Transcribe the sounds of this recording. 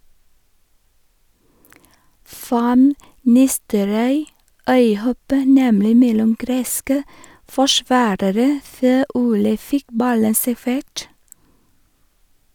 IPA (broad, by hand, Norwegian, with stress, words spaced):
ˈfɑn ˈnɪstəɾɔʏ ˈœʏˌhɔpə ˈnɛmlɪ ˈmɛlʊm ˈɡɾeːskə fɔˈʃʋɑːɾəɾə ˈføː ˈuːlə ˈfɪk ˈbɑlən sæˈfeːʈ